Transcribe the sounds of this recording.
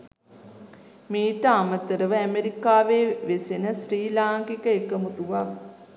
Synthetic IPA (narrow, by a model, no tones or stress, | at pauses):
meːʈəamət̪əɾəʋəæmeɾikaːʋeʋesenəsriːlaːŋkikəekəmut̪uʋaʋ